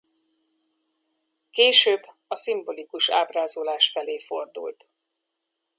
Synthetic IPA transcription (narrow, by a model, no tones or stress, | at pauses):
keːʃøːbː | ɒsimbo̞likuʃa̰ːbraːzolaːʃfɛleːfo̞rd̪ṵlt̪